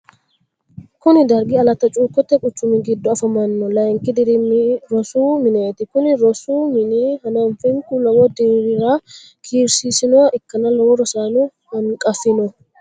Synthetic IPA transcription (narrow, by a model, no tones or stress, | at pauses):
kʊnɪd̪ɐɾɡɪɐlɐt̪ːɐt͡ʃʼuːkːɔt̪ːɛkʼʊt͡ʃːʊmɪɡɪd̪ːɔɐfɐmɐnːɔlɐjŋkɪd̪ɪɾɪmɾɔsuːmɪneːt̪ɪkʊnɪɾɔsuːmɪniːhɐnɐnfɪŋkulɐwɔd̪iɾɪɾaː | kʰiːɾsiːsɪnɔwɐʔɪkːɐnɐlɐwɔɾɔsaːnu | hɐŋkʼɐfɪnɔ